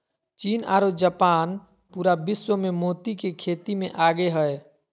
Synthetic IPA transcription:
t͡ʃiːna̰ːɾod͡ʒəpaːn | puːɾabɪswəmemoːt̪ikekʰeːt̪imẽʔaːɡeɦəe

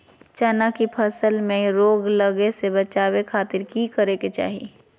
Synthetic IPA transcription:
t͡ʃanakipʰɐsəlmẽɾoːɡləɡesebɐt͡ʃaːwekʰaːt̪ɪɾkikəɾeket͡ʃa̰ːɦḭ

